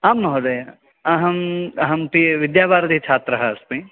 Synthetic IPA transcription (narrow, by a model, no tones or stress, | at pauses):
aːmːɐɦoːd̪ɐja | ɐɦɐmɦɐmpiʋɪd̪jaːbaːɾd̪ʱit͡ʃʰaːt̪ɾɐɦɐɐspĩ